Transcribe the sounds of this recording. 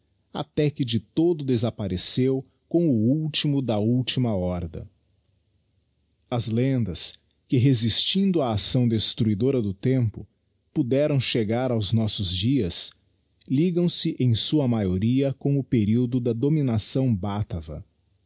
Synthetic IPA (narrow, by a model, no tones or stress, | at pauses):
a̰t̪ɛkɪd͡ʒɪt̪od̪ʊd̪ezapaɾesew | kõw̃ʊuwt͡ʃimʊd̪ɐuwt͡ʃimɐɔɾd̪ɐ̰ | ɐzlẽnd̪ɐs | kɪɦezist͡ʃĩnd̪ʊaːsɐ̃w̃d̪est̪ɾuid̪oɾɐd̪ʊt̪ẽmpʊ | pud̪ɛɾɐ̃w̃ʃeɡaɾawznɔsʊzd͡ʒiɐs | liɡɐ̃w̃sɪʔẽj̃suɐmajoɾiɐkõʊpeɾiwd̪ʊd̪ɐd̪ominasɐ̃w̃bat̪ɐvɐ̰